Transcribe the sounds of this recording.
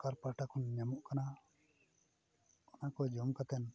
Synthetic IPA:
kaɾpaʈakʰunɲamuʔkana | ɔnakɔd͡ʒɔmkat̪ɛn

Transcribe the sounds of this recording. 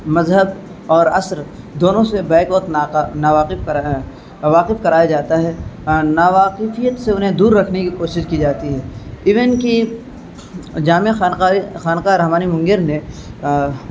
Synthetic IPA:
mɐzɦəb | ɔːɾɐsɾ | d̪oːnõsebɛːkʋɐt̪anaːʋaːqɪfk | ʋaːqɪfkɐɾaːjad͡ʒaːt̪aɦɛnaːʋaːqɪfijət̪seʊnɦẽd̪uːɾːɐkʰnekikoːʃɪʃkid͡ʒaːt̪iɦɛːɪʋənki | d͡ʒaːmaxaːnaxaːnkaːɾɐɦmaːnimʊ̃ŋɡeɾne

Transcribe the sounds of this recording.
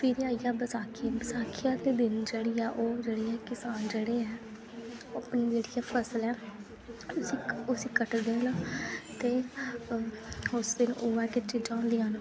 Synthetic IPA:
piɾaːijaːbəsaːkʰibəsaːkʰɪjaːd̪eːd̪ɪnd͡ʒeːɽiːaːʔoːd͡ʒeːɽeːɛːkɪsaːnd͡ʒeːɽeːɛː | oːəpniːd͡ʒeːɽijaːpʰəsəlɛː | ʊsiːʊsiːkəʈd̪eːənãːt̪eː | ʊsd̪ɪnoːɛːkɪt͡ʃɪd͡ʒãːõːnd̪iːɦãːn

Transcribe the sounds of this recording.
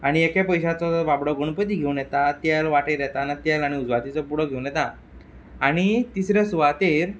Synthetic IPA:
aɽ̃iekepəjɕat͡sɔʋabɽɔɡəɳ̃pət̪iːɡʱewunjɛt̪at̪jalʋaʈeɾjɛt̪anat̪jalaɽ̃iud͡zʋat̪it͡sɔpuɽəɡʱewnjɛt̪ã | aɽ̃it̪isɾasuʋat̪eɾ

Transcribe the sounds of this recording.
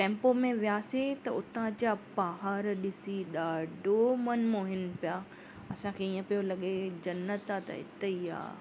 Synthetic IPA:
ʈɛ̃ːmpomẽʋijaːset̪ɐʊt̪ãd͡ʑapaːɦaːɾɗɪsiɗaːɖomɐnmoːɦɪnpijaː | ɐsãkʰeiːə̃pijolɐɠed͡ʑɐnət̪at̪ɐ̰ɦɪ̰t̪eia̰ː

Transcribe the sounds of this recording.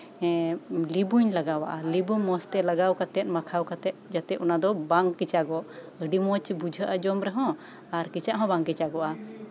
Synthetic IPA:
libuɲlaɡawa̰ʔalibuɲmɔ̃st̪ɛlaɡawkat̪ɛt̪̚makʰawkat̪ɛt̪̚d͡ʒat̪ɛʔɔnad̪ɔbaŋkit͡ʃaɡɔʔ | əɖimɔt͡ʃbud͡ʒʱəʔad͡ʒɔmɾɛɦɔ̃ | aɾkit͡ʃaʔɦɔ̃baŋkit͡ʃaɡɔʔa

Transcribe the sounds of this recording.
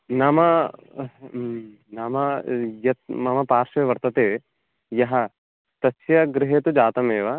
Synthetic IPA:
naːmɐ | naːmɐjɐt̪̚mɐmɐpaːɾʃɐeʋɐɾt̪ɐt̪eː | jɐɦɐ | t̪ɐsjɐɡɾɪɦeːt̪ud͡ʒaːt̪ɐmeːʋɐ

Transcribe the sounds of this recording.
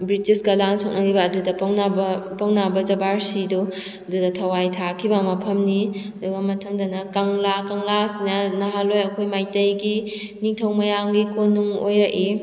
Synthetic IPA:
bɾitisɡɐlansʰok̚nɐɾibɐːdudɐpɐŋnabɐpɐwnabɐd͡ʒɐbaɾsidu | ɐdudɐtʰɐwajtʰakʰibɐmɐpʰɐmniɐduɡɐmɐtʰɐŋdɐnɐkɐŋlakaŋlasinɐnɐɦalojɐkʰojmajtɐjɡi | niŋtʰɐwmɐjaŋɡikʰonːuŋojɾɐʔi

